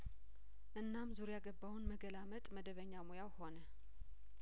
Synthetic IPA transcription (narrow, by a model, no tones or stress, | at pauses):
ʔɨnːamzuɾjaɡəbːawunməɡəlamət̪ʼməd̪əβəɲːamojawho̞nə